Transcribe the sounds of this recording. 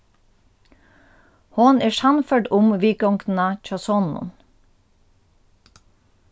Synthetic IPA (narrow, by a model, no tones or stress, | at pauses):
hɔneːʃɑnfœɖʊmʋiːkɔŋkn̩ɑc͡çɑsɔnʊ̰n